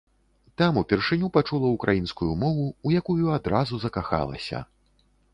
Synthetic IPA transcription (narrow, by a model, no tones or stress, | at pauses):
t̪amupʲɛrʂɨnʲupat͡ʂulˠɐukɾʔajinskujumɔvuːjakujuad̪ɾazuzɐkaxa̰lˠɐ̰sʲɐ̰